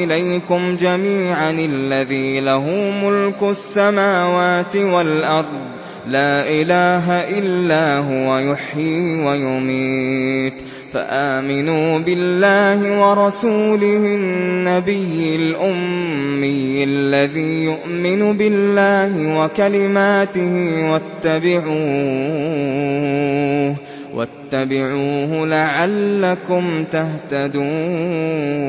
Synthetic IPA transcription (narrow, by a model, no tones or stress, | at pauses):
ɪlajkʊmd͡ʒamiːʕanalːaðiːlaɦʊːmʊlkʊasːamaːwaːt̪ɪwalʔɑɾˤd̪ˤ | laːʔɪlaːɦaʔɪlːaːɦʊwajʊħjiːwajʊmiːt̪ | fa̰ʔaːmɪnuːbɪlːaːhɪwɑɾˤɑsuːlɪhɪnːabɪjːɪlʔʊmːijʔalːaðiːjʊʔmɪnʊbɪlːaːɦɪwakalɪmaːt̪ɪhiwat̪ːabɪʕuː | wʔa̰t̪ːabɪʕuːhʊlaʕalːakʊmt̪aht̪ad̪uː